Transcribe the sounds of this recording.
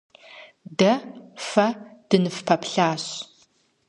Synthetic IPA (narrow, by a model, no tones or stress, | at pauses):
dɐfɐd̥ɨnɨfpʰɐpɬaːɕ